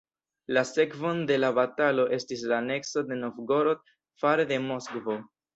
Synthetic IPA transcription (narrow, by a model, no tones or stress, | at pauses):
lase̞kvo̞nde̞labatalo̞ʔe̞stis̬lane̞ksod̪e̞nofɡo̞ɾot̪̚ | faɾede̞mo̞skvo̞